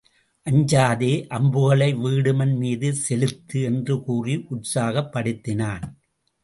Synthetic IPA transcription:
ʔɐɲd͡ʒaːðeːʔɐmbɯɣɐɭɐɪʋiːɽɯmɐnmiːðɯsɛlɯt̪ːɯɛndrɯkuːriʔʊʈsaːɣɐpːɐɽɯt̪ːɪnaːn

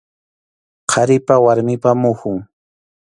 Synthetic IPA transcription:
qʰɑɾɪpawaɾmɪpamʊhʊŋ

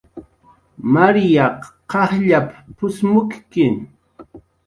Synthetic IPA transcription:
maɾjɑqqɑχʎappʊsmʊkkɪŋ

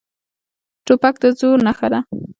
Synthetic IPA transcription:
ʈopak̚d̪əzoɾnaxaɾa

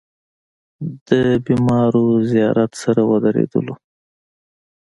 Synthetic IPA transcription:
d̪̥əbimɑɾozijɑɾat̪saɾawəd̪aɾḛd̪ə̰lo

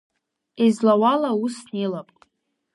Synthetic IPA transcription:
izlawalausnilapʼ

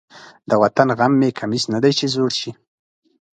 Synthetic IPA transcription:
d̪əwat̪anɣamːekʰamisnad̪ajt͡ʃezoɽʃi

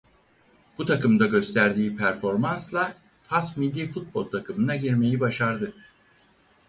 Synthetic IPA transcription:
b̥ut̪ʰakɯmd̪aɟø̞st̪ʰæɾd̪iːpʰæɾfo̞ɾmanslˠa | fasmilʲːiːfut̪̚bo̞̰lʲˠt̪ʰakʰɯmɯnaɟiɾme̞jibaʃaɾd̪ɯ

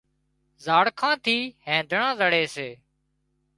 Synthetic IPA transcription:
zaːɽkʰãːt̪ʰiːhẽːd̪ʱəɳãːzəɽeːseː

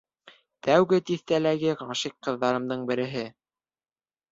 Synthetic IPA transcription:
t̪æwɡɘt̪iθt̪ælæɡɘʁɑʃiqːɤ̆ðːɑɾɤ̆md̪ɤɴbɘ̆ɾɘ̆ɦɘ

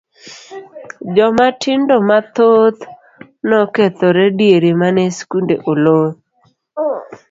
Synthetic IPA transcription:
d͡ʒɔmatʰɪndɔmat̪ot̪ | nɔket̪oɾɛdieɾemanɛskundeʔolot

